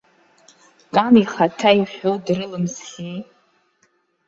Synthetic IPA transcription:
kʼaniχatʰaiχʲᶣowdrɨlɨmsχʲi

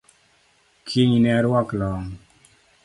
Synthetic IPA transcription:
kʰiɲnɛɾwɔklɔŋ

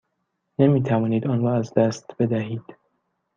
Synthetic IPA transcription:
nemiːt̪ʰævɒːniːd̪ɒːnrɒːæzd̪æst̪be̞d̪æɦiːd̪̥

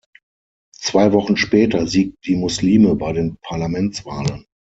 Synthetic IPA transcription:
t͡sv̥aɪvɔχn̩ʃpɛːtʰɐziːk̚td̥iːmʊsliːməbaɪdeːnpʰaɐlamɛnt͡sv̥aːlən

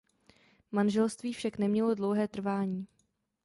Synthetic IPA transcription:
manʒɛlst̪viːfʃaknɛmɲɛlo̞dlo̞wɦɛːt̪r̩vaːɲiː

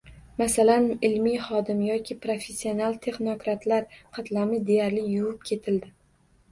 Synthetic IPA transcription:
masalanɪlmijχɒd̪ɪmjɒkʲʰɪpɾofe̞sːionalˠt̪ʰe̞χno̞kɾat̪ʰlaɾqʰɑt̪lamɪd̪e̞jaɾlɪjʊwʊp̚kʲʰe̞t̪ʰɪld̪ɪ

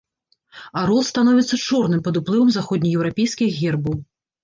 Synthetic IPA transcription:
aɾɔlˠst̪anɔvʲit̪sːɐt͡ʂɔrnɨmpɐd̪uplˠɨvɐmzaxɔd̪ʲnʲijɛwɾapʲɛjskʲiɣɣʲɛrbɐw

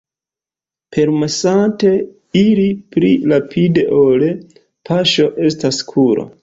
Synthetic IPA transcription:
pʰe̞ɾmesante̞ | iɾipɾiɾapʰide̞ʔole | pʰaʃo̞ʔe̞staskʰuɾo̰

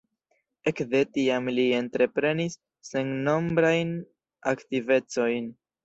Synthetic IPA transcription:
e̞kd̪e̞tiamlie̞ntɾe̞pɾe̞nisː | e̞ŋno̞mbɾajn | aktive̞t͡so̞jn

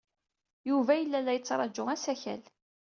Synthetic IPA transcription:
juvæjəlːælːæjət͡sːɾˤɑd͡ʒːʊʁæsæçæ̰l

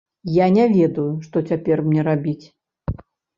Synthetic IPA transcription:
janʲɛvʲɛd̪ɐjuʂt̪ɔt͡sʲapʲɛrmnʲɛɾabʲit͡sʲ

